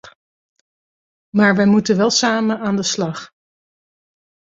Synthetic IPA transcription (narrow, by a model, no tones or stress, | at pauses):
maːɹʋɛjmutəʋɛlˠsaːmənaːndəslɑχ